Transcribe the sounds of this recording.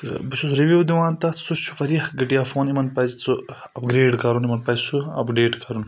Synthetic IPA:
buʃusɾiʋuwd̪iwaːnt̪ɐsuʃu̥fɐɾjɐhɡiʈijafoːnimɐnpɐzt͡su | ɐpɡɾeːɖkɐɾunimɐnpɐjzsuɐ̰pɡɾeːʈkɐɾun

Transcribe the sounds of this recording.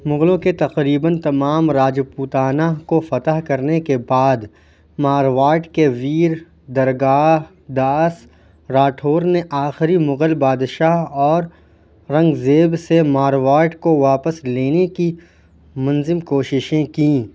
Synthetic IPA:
mʊɣlõket̪ɐqɾiːbənt̪ɐmaːmɾaːd͡ʒpuːt̪aːnakofɐt̪əɦkɐɾnekebaːd̪ | maːɾʋaːʈkeʋiːɾ | d̪ɐɾɡaːɦ | d̪aːs | ɾaːʈʰoːɾneʔaːxɪɾimʊɣəlbaːd̪ʃaːɦɔːɾː | ɐ̃ŋɡzeːbsemaːɾʋaːʈkoʋaːpəsleːneki | mɐnzɪmkoːʃɪʃẽkĩ

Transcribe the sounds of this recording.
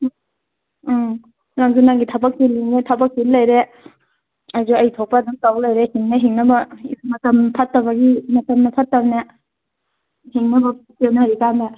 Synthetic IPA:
ɾaŋzunaŋɡitʰabɐk̚siliŋnetʰabɐk̚ːiɾlɐjɾe | azuɐjtʰɔk̚paduŋtawlajɾehiŋneɦiŋnɐbɐḭmɐtɐmpʰatːɐbɐɡimɐtɐmnɐpʰatːɐbne | hiŋnɐbɐkewnaɾikanbɐ

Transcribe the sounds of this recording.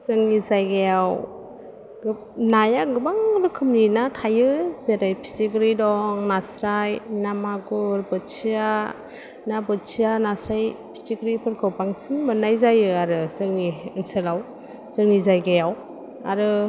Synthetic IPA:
zɯŋnizajɡajaw | ɡ | najaɡɯbaŋɾɯkʰɯmninatʰajɯzeɾajpʰi̥siɡɾidɔŋnasɾajnamaɡuɾbɯt͡ʃia | nabɯt͡ʃʰianasɾajpʰi̥siɡɾipʰɯɾkʰɯwpaŋsinmɯnajzajɯaɾɯzɯŋniɯnsɯlaw | z̥ɯŋnizajɡajaw | a̰ɾɯ

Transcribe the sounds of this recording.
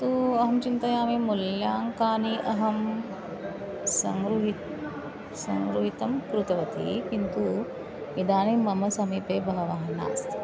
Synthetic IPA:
t̪uːɐɦɐmt͡ʃint̪ɐjaːmimuljaːŋkaːniʔɐɦɐm | sɐ̰ŋɡɾuɦit̪ | sɐŋɡɾuɦit̪ɐmkɾut̪ɐʋɐt̪ʰḭkint̪u | id̪aːnimɐmɐsɐmiːpeːbʱɐɦɐʋaːɦɐna̰ːst̪

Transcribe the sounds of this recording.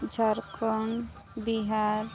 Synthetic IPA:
d͡ʒʱaɾkɔn | biɦaɾ

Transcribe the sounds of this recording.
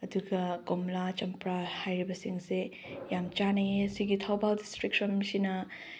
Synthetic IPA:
ɐduɡɐɡomlat͡ʃɐmpɾahajɾibɐsiŋse | jamt͡ʃanejɐsiɡitʰawbaldistɾik̚sɔmsinɐ

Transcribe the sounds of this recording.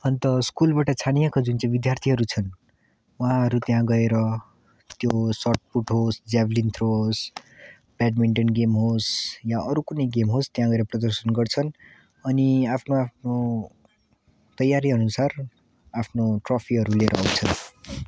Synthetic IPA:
ʌnt̪ʌskulbaʈʌt͡sʰanijakad͡zunt͡sãbid̪jart̪ʰiɦʌɾut͡sʰʌn | wɦãɦʌɾut̪jãɡʌeɾʌ | t̪josʌʈ̚puʈɦosd͡zablint̪ʰros | paɖmiɳʈʌnɡemɦosjaʔʌɾukunʌjɡemɦost̪jãɡʌeɾʌprʌd̪ʌrsʌnɡʌrt͡sʰʌn | ʌniapʰnoapʰno | t̪ʌjːaɾiʌnusar | apʰnoʈropʰiɦʌɾuleɾʌ̰ːwt͡sʰʌn

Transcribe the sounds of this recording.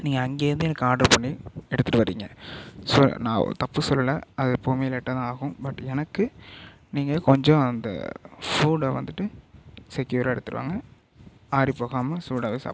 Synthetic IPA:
niːŋɡɐɐŋɡeːɾɯnd̪ɯɛnɐkːɯaːɖɐɾpɐɳːiɛɽɯt̪ːɯʈːɯʋɐɾḭːŋɡɐsɔ̰nã̰ːt̪ɐpːɯsɔlːɐlɐɐðɐpːoːmijlɛʈːɐðãaːɣɯ̃bɐʈːɛnɐkːɯ | niːŋɡɐkɔɲd͡ʒõɐnd̪ɐ̰fuːɽʋɐnd̪ɯʈːɯsɛkjuːɾaːɛɽɯt̪ːɯɾɯʋa̰ːŋɡɐ | aːɾipːoːɣaːmɐfuːɽaːʋesa̰ːp

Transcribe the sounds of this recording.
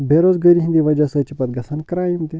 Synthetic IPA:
beːɾoːzɡɐɾiɦĩnd̪iʋɐd͡ʒɐsɐt͡ʃipɐt̪̚ɡɐsɐnkɾaːjimt̪i

